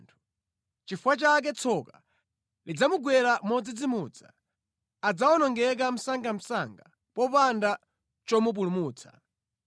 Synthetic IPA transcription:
ntʰu̥ | t͡ʃifuwat͡ʃak̬ɛt͡sʰɔka | lid͡zamuɡwɛɾamɔd͡zid͡zimud͡za̰ | ad͡zawɔnɔŋɡɛk̬am̩saŋɡam̩saŋɡa | pɔpanda | t͡ʃɔmup̬ulumuːt͡sʰḁ̰

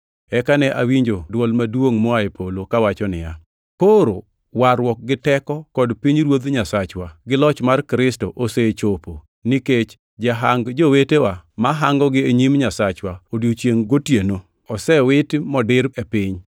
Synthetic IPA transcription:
ɛkanɛʔawiɲd͡ʒodwɔlmadwoŋmɔaepʰolokawat͡ʃɔnɪ̰ja | koɾo | waɾwɔk̚ɡɪtɛkɔkɔdpiɲɾwod̪ɲasat͡ʃwaɡɪlɔt͡ʃmarkɾɪstoʔoset͡ʃopo | niket͡ʃ | d͡ʒaɦaŋɡd͡ʒowetewamaɦaŋɡɔɡɪeɲimɲasat͡ʃwaodjot͡ʃjeŋɡotjeno | ɔsɛwɪtmɔdɪɾɛpɪɲ

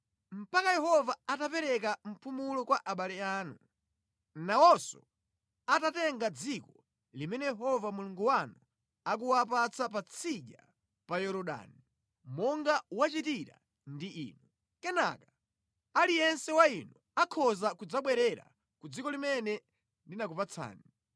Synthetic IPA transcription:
m̩pakajɛɦɔvaatapɛɾɛk̬am̩pumulɔkwaʔaɓalɛaːnu | nawɔsɔ | atatɛŋɡad͡zikɔ | limɛnɛjɛɦɔvamuluŋɡuwanu | ak̬uwap̬at͡sap̬at͡sʰiʄa̰ | pajɔɾɔɗa̰ni | mɔŋɡawat͡ʃitiɾa̰ | ndiʔḭːnu | kɛna̰kḁ | alijɛnsɛwainu | akʰɔzakud͡zaɓwɛɾɛɾa̰ | kud͡zikɔlimɛnɛ | ndinakupat͡sʰa̰ːni

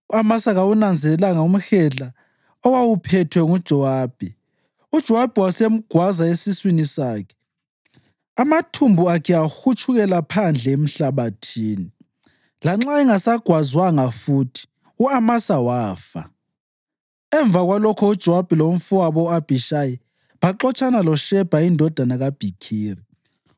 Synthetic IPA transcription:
uamasaɣawunand͡zʱɛɛlaŋaum̩xɛɮa | ɔwawupʰɛtʰwɛŋud̥ʒ̥ʱɔwaːb̥ʱi | ud̥ʒ̥ʱɔwab̥ʱiwasem̩ɡ̥ʱwazaesiswinisaːkʰɛ̥ | amatʰumbʱuakʰɛaxut͡ʃʰʼuɣɛlapʰand͡ɮʱɛem̩ɬaβatʰiːni | laŋ͡ǁaɛŋasaɡ̥ʱwazwaŋafuːtʰi̥ | uamasawaːfa | ɛɱb̪vʱaɣwalɔkʰɔud̥ʒ̥ʱɔwab̥ʱilom̩fuaβɔab̥ʱiʃaji | βaǁɔt͡ʃʼanalɔʃɛb̥ʱaindʱɔd̥ʱanaɣab̥ʱikʰiːri

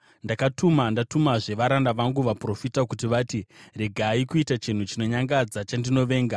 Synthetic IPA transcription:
ndakatumandatumaʐe̞ʋaɾandaʋaŋɡuʋapro̞fitakutiʋatire̞ɡʱaːikuitat͡ʃin̤ut͡ʃino̞ɲaŋɡad͡zat͡ʃandino̞ʋe̞ːŋɡa

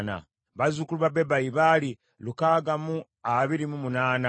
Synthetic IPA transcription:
na̰ | βazukuluβabebajiβali | lukaːɡamu | aβiɾimumunaːna

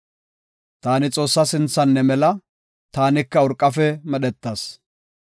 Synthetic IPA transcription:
t̪aːnɪt͡sʼo̞ːsːɐsɪnt͡sːɐnːɛmɛlɐ | t̪aːnɪkːɐɔɾkʼːɐfɛmɛɗɛt̪ːaːs

